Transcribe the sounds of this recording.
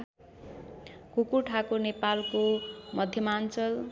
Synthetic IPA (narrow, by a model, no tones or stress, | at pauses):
kukuʈʰakonepalkomʌd̪ʱjʌmant͡sʌl